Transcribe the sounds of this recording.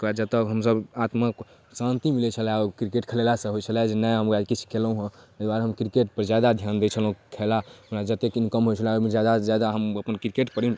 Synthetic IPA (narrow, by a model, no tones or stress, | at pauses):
kad͡ʒət̪əɦəmsəbat̪mək | sant̪imilɛt͡ʃʰəlɛɔkɾikeʈkʰəlelasə̃ɦojt͡ʃʰəlad͡ʒenəjɦəmad̪kit͡ʃʰi̥keləũɦə̃əd̪aɾɦəmkɾikeʈpəɾd͡ʒad̪ad̪ʱjand̪et͡ʃʰəlɦũkʰelaunad͡ʒət̪ekinkəmɦojt͡ʃʰəlamid͡ʒad̪ad͡ʒad̪aɦəməpənkɾikeʈpəɾin